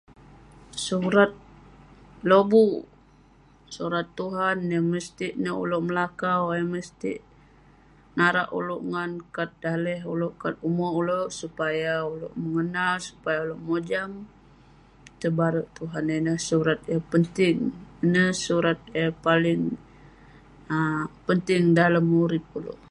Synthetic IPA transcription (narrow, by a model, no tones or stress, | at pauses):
suɾat̪̚ | lobu | suɾat̪ːuɦanjaməst̪iʔnəṵloʔməlakawjaməst̪ḭʔ | naɾa̰ʔṵluʔŋankat̪̚dalɛɦuloʔkat̪umɔuloʔsupajaulo̰ʔməŋənalsu̥pajauloʔmod͡ʒam | t̪əbaɾuʔt̪uɦanenəhsuɾat̪̚japənt̪ɪŋnəhsuɾat̪̚jəpalɪŋ | pənt̪ɪŋdalamːuɾɪp̚ulṵʔ